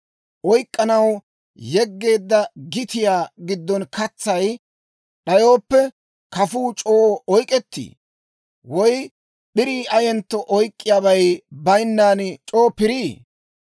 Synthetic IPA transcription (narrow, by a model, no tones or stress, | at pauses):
ʔɔjkʼːɐnɐw | jɛɡːe̞ːd̪ːɐɡɪt̪ɪjaːɡɪd̪ːɔnkɐt͡sːɐj | ɗɐjo̞ːpːɛ | kɐfuːt͡ʃʼoːɔjkʼɛt̪ːḭː | wɔj | ɓɪɾiːʔɐjɛnt̪ːɔʔɔjkʼːɪjaːbɐjbɐjnːaːnt͡ʃʼoːpɪɾiː